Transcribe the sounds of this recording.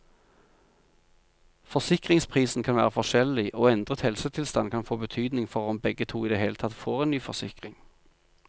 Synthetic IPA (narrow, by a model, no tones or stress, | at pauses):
fɔsɪkʁɪŋspʰʁiːsn̩kʰɑnʋæːʁəfɔʁʃɛlɪʔoːɛnd̪ʁət̪hɛlsət̪ʰɪlst̪ɑnkʰɑnfoːbət̪ʰyːd̪nɪŋfɔʁɔmbɛɡət̪ʰuːiːd̪eːheːlət̪ʰɑt̪foːʁeːnnyːfɔʁsɪkʁɪŋ